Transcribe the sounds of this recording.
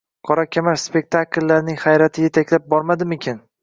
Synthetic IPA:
qʰɒɾakʲʰamaɾspe̞k̚ʲt̪ʰakʲlːaɾnɪŋχajɾat̪ʰɪjet̪ʰakʲlap̚bɒɾmad̪ɪmɪkʲʰɪn

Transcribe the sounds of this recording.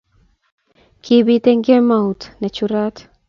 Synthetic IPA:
kibit̪eŋɡemaut̪nɛt͡ʃuɾat̪

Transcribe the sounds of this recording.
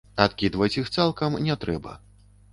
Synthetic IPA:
at̪kʲid̪vɐt͡sʲixt̪salˠkɐmnʲɛt̪ɾɛbɐ̰

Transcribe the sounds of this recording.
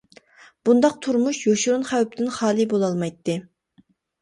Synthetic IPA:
b̥und̪ɑq̚t̪ʰuɾmuʃjoʃuɾunχæwp̚t̪ɪnχɑːlˠɨbolˠɑlˠmɑjt̪ːɨ

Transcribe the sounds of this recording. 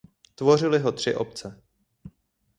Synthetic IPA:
t̪vo̞rɪlɪɦo̞t̪r̝̥ɪʔop̚t͡sɛ

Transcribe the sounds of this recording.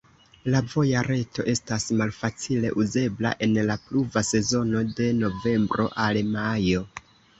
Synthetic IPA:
lavo̞jaɾe̞to̞̰ʔe̞stasmalfat͡sile̞̰ʔuze̞bla̰ʔe̞nlapluvase̞zo̞no̞de̞no̞ve̞mbɾo̞̰ʔalmajo̞

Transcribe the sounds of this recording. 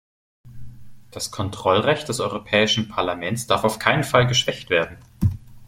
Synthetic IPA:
d̥askʰɔntʁ̥ɔlʁɛçt̚d̥ɛsʔɔʏʁopʰɛːɪʃn̩pʰaɐlamɛnt͡sd̥aɐfaʊfkʰaɪnənfalɡəʃv̥ɛçtv̥eːɐdn̩

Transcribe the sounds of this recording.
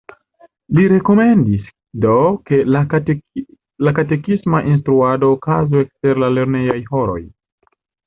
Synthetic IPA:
liɾe̞ko̞me̞ndis | do̞ke̞la | lakate̞kismaʔins̬tɾuado̞ːkazuekste̞ɾlale̞ɾne̞jajho̞ɾo̞̰j

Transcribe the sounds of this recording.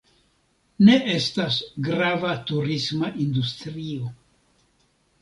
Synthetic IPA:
ne̞ʔe̞stasɡɾavatuɾismaʔindustɾio̞

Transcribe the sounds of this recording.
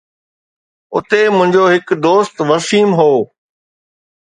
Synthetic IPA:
ʊ̰t̪emʊ̃ɦɪ̃ɲd͡ʑoːɦɪkd̪oːst̪ʋɐsiːmɦoː

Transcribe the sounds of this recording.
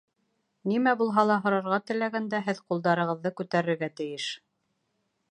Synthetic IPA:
nimæbulˠɦɑlˠɑɦŏɾɑɾʁɑt̪ɘ̆læɡænd̪æɦɘðqulˠd̪ɑɾɤ̆ʁɤ̆ðːɤkʉt̪æɾɘ̆ɾɡæt̪ɘ̆jɘʃ

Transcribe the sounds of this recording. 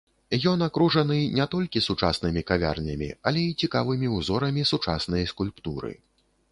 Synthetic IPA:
jɔnakɾuʐɐnɨnʲɛt̪ɔlʲkʲisut͡ʂasnɨmʲikavʲa̰rnʲɐmʲḭɐlʲɛit͡sʲikavɨmʲiuzɔɾɐmʲisut͡ʂasnɐjɐskulʲpt̪uɾɨ̰

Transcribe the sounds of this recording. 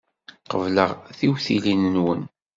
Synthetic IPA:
qəvləʁθiwθilinənwən

